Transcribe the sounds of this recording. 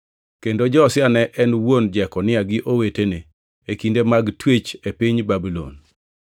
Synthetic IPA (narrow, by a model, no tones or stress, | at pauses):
kendod͡ʒɔsɪanɛʔɛnwond͡ʒɛkɔnɪaɡɪʔowetene | ekindemaɡtwet͡ʃepiɲbabilo̰n